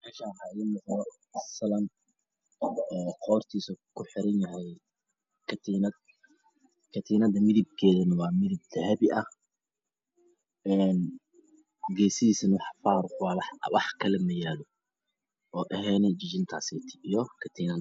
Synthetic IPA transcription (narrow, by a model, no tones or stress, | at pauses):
mɛːʃaɦaːjɛmɐnɔ | ɐsɐlɐm | ɛːqɔːrt̪ʰiːsɐkʰʊħɪɾɐnjɐɦɛj | kʰɐt̪ʰinɐd̪ | kʰɐt̪ʰiːnɐd̪ɐmɪðɪb̚kʰɛːðɐnɐwɑːmɪðɪb̚t̪ɐhɐβɪʔɐh | ɛːn | ɡɛːsɪiːsɐnɐwɑħfaːɾwɑːwħwɑħkʰɐlɛmɐjaːlɔ | ʔɔːʔɐɦɛːnɛt͡ʃɪt͡ʃɪnt̪ʰaːsɛːt̪ʰɪ̥ʔijɔkʰɐt̪ʰiːnɐ